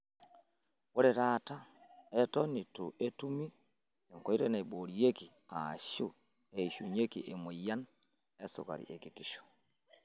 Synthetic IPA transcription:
wo˦ɾe˨ɾata˦e˦tɔ˦ni˨tu˨ʔe˦tu˦mi˦ | e˨ŋko˨i˦ɾe˦na˨i˨bo˨ɾie˦ki˨ | a̰˨ʃu˦˨ | e˨i˨ʃu˨ɲe˦kḭ˨ʔe˨mo˨ja˦n | e˦sṵ˨ka̰˨ɾḭ˨ʔe˨ki˨ti˨ʃo̥˨

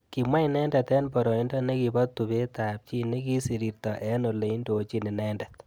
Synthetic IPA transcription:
ki˨mwa˦jnɛ˦ndɛ˨t̪ɛ˦npɔ˨ɾɔ˨i˦ndɔ˦ne˦ki˨bɔ˦t̪ːu˨be˦t̪a˨p̚t͡ʃi˦ne˦ki˦si˨ɾi˨rt̪ɔ˨ʔɛ˦no˨le˨i˦ndo˨t͡ʃi˦ne˨nɛ˦ndɛt̪̚

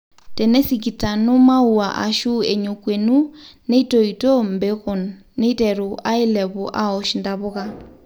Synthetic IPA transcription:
tɛ˨nɛ˦sik̬i˨ta˨no˦ma˦u˨a˨ʔa̰˨ʃu˦e˨ɲo˨kwe˨nu˦ne˦i˦to˨i˨to˦mbe˦ɣɔ˨nːe˦i˦tɛ˨ɾu˨ʔa˦i˦lɛ˨βɔ˨ʔa˦ɔ˨ʃinda˨βʊ˦ɣa˦

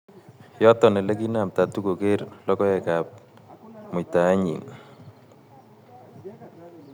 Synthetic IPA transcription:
jɔ˦t̪ɔ˨nɛ˨le˦ɡi˦na˨mta˨tu˦ko˨ke˦ɾlɔ˦kɔ˦ɛ˨ka˨p̚ | mʊ˨jta˨a˦ɲḭ˨ŋ

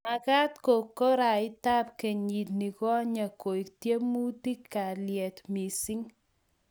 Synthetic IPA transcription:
ma˨ka˦tko˨kːɔ˦ɾa˨ɪ˦ta˦pke˨ɲi˨tni˨kɔ˦a˦ɲa˨ko˨i˨ktje˦mu˦ti˦kːa˨ljɛ˨tmi˨si˦ŋ

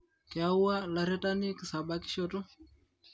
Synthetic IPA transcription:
kɛ˨a˦u˦wa˦la˨ɾɛ˦ta˦ni˦ki˨sa˨ba˦ki̥˦ʃo˦tɔ˦

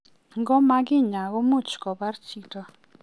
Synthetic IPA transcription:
ŋɡo˥˨ma˨ɡe˥˨ɲa˩˨ɣo˥mo˨t͡ɕʰə̥˨ko˩˨pa˨rt͡ɕi˥k̚ʈ͡ʂə˩˨

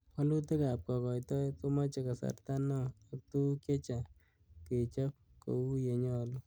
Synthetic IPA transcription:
ɔ˦lu˦t̪e˦ka˨p̚kɔ˨kɔ˨jt̪ɔ˦t̪o˦ma˦t͡ʃe˨ka˨sa̰˨ɾt̪a˦nɔ˦ɔ˨kt̪u˦ke˦t͡ʃa˨ | ke˨t͡ʃa˦p̚ | ko̰˨u˦je˨ɲɔ˦˨lu˦

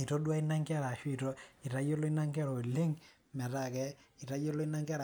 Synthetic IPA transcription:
i˨to˦ɗwa˦i˦na˦ŋɡi˦a˦ɾa˨ʃwi˨tɔ˦i˨ta˦jo˦lɔ˦i˦na˦ŋɡa˦ɾɔ˨lɪ˦ŋ | mɛ˨ta˨kɛ˦i˨ta˦jɔ˦lɔ˦i˦na˦ŋɡi˦a˦ɾ

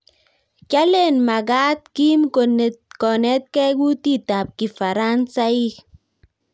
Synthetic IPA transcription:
t͡ʃa˦le˦˨nma˨ɡa˦t̪ki˦mko˨nkɔ˨nɛ˦t̪̚kɛ˦ɡu˦ti˦˨ta˨p̚ki˨fa˨ɾa˦nsa˦i˦

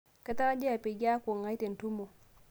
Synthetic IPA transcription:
ka˦ta˦d͡ʒe˦a˨pe˨ɡa˦ku˨ŋa˦jte˨n˨tu˦mo˨

